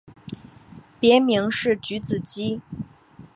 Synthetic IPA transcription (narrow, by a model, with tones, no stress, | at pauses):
pjɛ˧˥mi˧˥ŋʂɻ̩˥˩t͡ɕy˧˥t͡sɹ̩˨˩t͡ɕi˥